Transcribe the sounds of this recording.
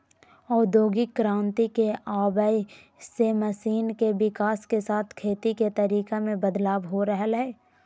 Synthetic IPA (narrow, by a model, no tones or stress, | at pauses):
ɔːɾd̪oːɡɪkːɾãːnt̪ikeaːbəi | seməsiːnkeʋɪkaːskesaːt̪ʰkʰeːt̪iket̪əɾiːkemẽbəd̪laːbɦoɾəɦəlɦɛː